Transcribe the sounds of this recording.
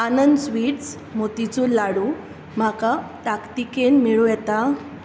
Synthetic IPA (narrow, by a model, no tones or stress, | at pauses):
anənd̪sʋiːʈs | mot̪it͡suːlaɽu | m̤akat̪akt̪ikenmiɭujɛt̪a